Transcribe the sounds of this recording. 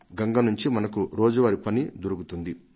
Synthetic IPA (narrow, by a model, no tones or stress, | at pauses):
ɡɐŋɡɐnuɲt͡ʃimɐnɐkuɾoːd͡ʒuʋɐɾipɐnid̪oɾuɡut̪und̪i